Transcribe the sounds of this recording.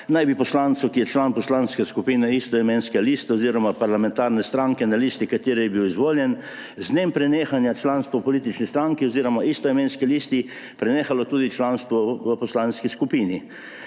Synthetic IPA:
najbipɔslant̪sɔkijɛt͡ʃlanpɔslanskɛskupiːnɛist̪ɔɛmẽnskɛliːst̪aoziːɾɔmapaɾlamɛ̃nt̪aːɾnɛst̪ɾaŋkɛnaliːst̪ikat̪eːɾɛjɛbiwizʋoːljɛn | znempɾɛnexanjat͡ʃlanst̪ʋɔpɔlit̪it͡ʃnist̪ɾaŋkiɔziːɾɔmaʔist̪ɔɛmenskilist̪i | pɾɛneːxalɔt̪uːd̪it͡ʃlanst̪ʋɔʋəpɔslanskiskupiːni

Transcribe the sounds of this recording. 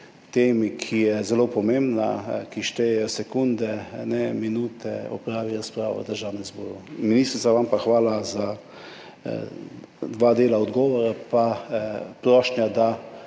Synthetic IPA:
t̪eːmikʰijɛzɛloːpɔmẽmbnakiʃt̪ɛjɛjɔsɛkund̪ɛnɛminuːt̪ɛɔ̰pɾaːʋiɾaspɾaːʋa̰d̪əɾʒaːwnɛnzbɔːɾuminist̪ɾit̪saʋampaxʋaːlaza | d̪ʋad̪eːlaɔd̪ɡɔːʋɔɾapa | pɾɔʃnjad̪a

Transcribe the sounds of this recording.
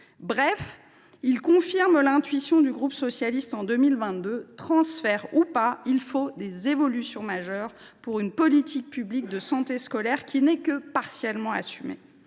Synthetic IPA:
bʁɛf | ilkɔ̃fiʁmlɛ̃t̪ɥisjɔ̃d̪yɡʁupsɔsjalist̪ɑ̃d̪ømilvɛ̃t̪̚d̪øt̪χɑ̃sfɛʁupailfod̪ezevɔlysjɔ̃maʒœʁ | puʁynpɔlit̪ʰik̚pyblik̚d̪əsɑ̃t̪eskɔlɛʁkʲinɛkəpaʁsjɛlmɑ̃a̰symḛ

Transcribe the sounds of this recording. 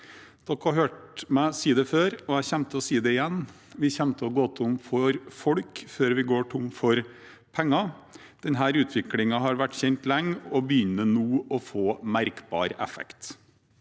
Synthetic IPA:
d̪̥ɔkːhɑɦøːʈmæsiːəd̪ɛføːɾɔjæçɛmt̪əɔsiːd̪ɛɪjɛnː | ʋɪçɛmt̪ʰəɔɡɔt̪ʰʊmfɔɾfɔɽkføːɾʋɪɡoːʈʰʊmfɔɾ | pʰɛŋːɑ | d̪̥ɛnɦæːɾʉːt̪ʰʋɪklɪŋɑɦɑɾʋæʈːçɛnt̪lɛŋːɔbəjʏnːənuːɔfoːmæɾkbɑ̰ːɾʔɛ̰fɛ̰kt̪

